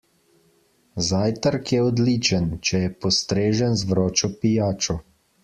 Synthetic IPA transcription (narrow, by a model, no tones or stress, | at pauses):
zaːjt̪əɾkjɛɔd̪liːt͡ʃənt͡ʃɛjɛpɔst̪ɾeːʒənzʋɾɔːt͡ʃɔpijaːt͡ʃɔ